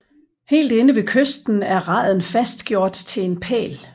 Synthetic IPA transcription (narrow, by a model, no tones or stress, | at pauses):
he̝̰ːld̥e̝nəʋe̝kʰøsd̥n̩æɐʁɑ̈ð̩ˠn̩fæsd̥ɡ̥jo̝ɐ̰d̥t͡sʰe̝le̝npʰɛ̰ːl